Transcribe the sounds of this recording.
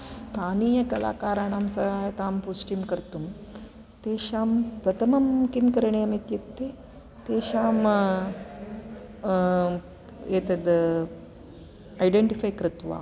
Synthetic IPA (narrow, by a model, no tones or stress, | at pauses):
st̪ʰaːniːjɐkɐla̰ːkaːɾaːnamsɐajt̪aːmpusʈimkəɾt̪um | t̪eɕaːmpɾɐt̪ʰɐmɐmkimkəɾɳeɐmit̪jekt̪e | t̪eɕaːm | et̪ed̪ə | ajɖeɳʈifaːjkɾɪt̪ʋa̰ː